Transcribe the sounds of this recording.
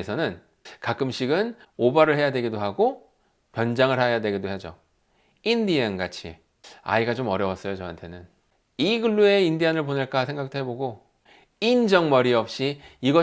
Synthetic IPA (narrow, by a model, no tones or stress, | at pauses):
esʰʌnɯn | kak͈ɯmɕʰiɡɯnobaɾɯɭɦe̞jadwe̞ɡidoɦaɡo | pjʌnd͡ʑaŋɯɭhajadwe̞ɡidoɦed͡ʑo̰ | indienɡat͡ɕʰḭ | a̰iɡat͡ɕomʌɾjʌwas͈ʌjot͡ɕʌɦa̰ntʰe̞nɯn | iɡɯɭːue̞indianɯɭponɯɭk͈asʰe̞ŋɡak̚t͈ʰoɦe̞boɡo | ind͡ʑʌŋmʌɾiʌp̚ɕ͈iiɡʌ